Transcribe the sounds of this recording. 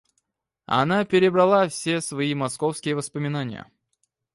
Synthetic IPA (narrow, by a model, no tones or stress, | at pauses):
ɐ̰napʲɪɾʲɪbɾɐlˠafsʲesvɐimɐskofskʲɪjəvəspəmʲɪnanʲɪ̰jə̰